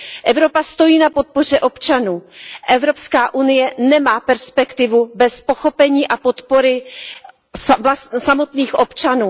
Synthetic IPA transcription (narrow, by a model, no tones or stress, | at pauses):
ʔɛvɾo̞past̪o̞jiːnapo̞t̪̚po̞r̝ɛʔo̞pt͡ʃanuːʔɛvɾo̞pskaːʔunɪjɛnɛmaːpɛɾspɛkt̪ɪvubɛspo̞xo̞pɛɲiːʔapo̞t̪po̞ɾɪ | assamo̞t̪niːxʔo̞pt͡ʃanuː